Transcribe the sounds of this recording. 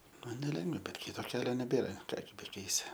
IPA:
ˈmɐn nʲɛˈlʲɛŋɡʋɐ ˈbʲɛt ˈkʲɪtoː ˈkʲæːlʲoː nʲɛˈbʲeːrɐ ˈkɑː ɡʲɪ bʲɛˈkʲɛɪsʲɪ

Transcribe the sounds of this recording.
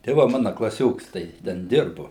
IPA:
tɐɪ ˈʋɐ ˈmɑːnɐ klˠɐˈsʲoːks tɐɪ ˈtʲɛn ˈdʲɪrbʊ

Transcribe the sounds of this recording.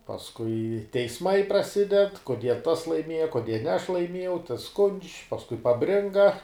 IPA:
pɐsˈkʊɪ tʲɛɪsˈmɐɪ prɐˈsʲɪdʲɛt koːˈdʲiɛ tɐs lˠɐɪˈmʲiɛjɛ koːˈdʲiɛ nʲɛ ɐʃ lˠɐɪˈmʲiɛjɛʊ tɐs skʊnʲt͡ʃʲ pɐsˈkʊɪ pɐˈbʲrʲɪŋɡɐ

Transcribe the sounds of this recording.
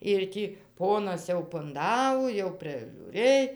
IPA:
ɪr ˈtʲiː ˈpoːnɐs jɛʊ pʊnˈdɑːʋoː jɛʊ pʲrʲɪʒʲuːˈrɘj

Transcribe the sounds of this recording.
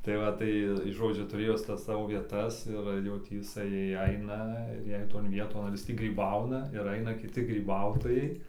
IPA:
tɐɪ ˈʋɐ ˈtɐɪ tɐɪ ˈʒoːd͡ʒʲʊ tʊˈrʲeːjoː ˈjɪs ˈtɐs ˈsɑːʋoː ʋʲiɛˈtɐs ɪr jɛʊ ˈtʲiː ɪˈsɐɪ ˈɐɪnɐ ɪr ˈjɛɪ toːn ˈʋʲiɛtoːn ɐr ˈjɪs ˈtʲiː ɡrʲiːˈbɐʊnɐ ɪr ˈɐɪnɐ kʲɪˈtʲɪ ɡrʲiːˈbɐʊtoːjɛɪ

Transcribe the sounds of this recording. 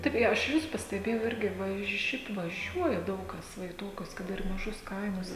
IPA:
ˈtɐɪp ɪ ɐʃ ˈʋʲɪs pɐsʲtʲɛˈbʲeːjɛʊ ˈɪrʲɡʲɪ ˈʋɐʃ ˈʃʲɛɪp ʋɐˈʒʲuɔjɛ ˈdɐʊk ˈkɐs ˈʋɐ ɪ ˈtoːkʲʊs kɐt ˈɪr mɐˈʒʊs ˈkɐɪmʊs

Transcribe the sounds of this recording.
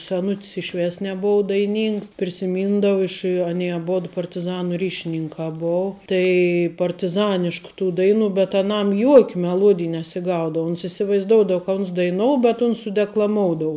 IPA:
sʲɛˈnʊtʲs ɪʃ ˈʋʲeːs nʲɛˈboːʊ dɐɪˈnʲiːŋks pʲrʲɪsʲɪˈmʲiːndɐʋʊ ɪʃ ɐˈnʲiɛ ɐˈboːt pɐrʲtʲɪˈzɑːnʊ ˈrʲiːʃʲɪnʲɪŋkɑː ˈboːʊ tɐɪ pɐrʲtʲɪˈzɑːnʲɪʃkʊ tuː ˈdɐɪˌnuː bʲɛt ɐˈnɐm juɔkʲ mʲɛˈlˠuɔdʲɪj nʲɛsʲɪˈɡɐʊdɐʋʊ oːns ɪsʲɪʋɐɪzˈdoːʊdɐw kɐ ʊns dɐɪˈnoːʊ bʲɛt ʊns sʊdʲɛklˠɐˈmoːʊdoːʊ

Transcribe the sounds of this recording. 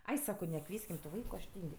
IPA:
ˈɐɪ ˈsɑːkoː nʲɛˈkʋʲiɛsʲkʲɪm tʊ ˈʋɐɪkʊ ɐʃ ˈtʲiːŋʲkʲ

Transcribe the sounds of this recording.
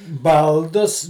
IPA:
ˈbɐlˠdʊs

